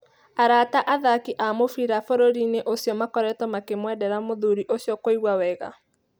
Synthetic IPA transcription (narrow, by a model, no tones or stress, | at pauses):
aɾaːtaʔaðakiʔamofiɾafoɾoɾineʔosjɔmakɔɾɛtɔmakemwɛdɛɾamoðuɾiʔosjɔkoiɣwawɛɣa̰